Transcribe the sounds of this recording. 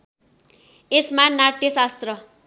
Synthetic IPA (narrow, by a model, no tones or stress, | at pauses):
esmanaʈ̪jʌsast̪rʌ